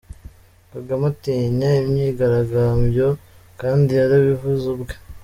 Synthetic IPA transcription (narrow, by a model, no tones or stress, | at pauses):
kaɡamatiɲaimɲiːɡaɾaɡaːmbjo̞kaːndiaɾaβivuzubɡe